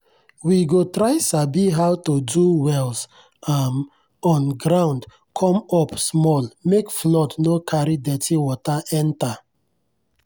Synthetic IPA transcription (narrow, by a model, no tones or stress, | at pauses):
wiɡotɾaɪsabiɦawtoduwɛls | am | ɔ̃nɡɾãʊ̃nd | kʰɔ̃mɔpsmɔlmekflɔdnokʰaɾidɛtʰiwɔtaʔɛ̃nta